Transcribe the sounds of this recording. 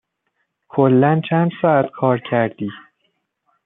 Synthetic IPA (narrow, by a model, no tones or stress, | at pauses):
kʰolːænt͡ʃʰænd̪̥sɒːæt̪kʰɒːɾcʰæɾd̪iː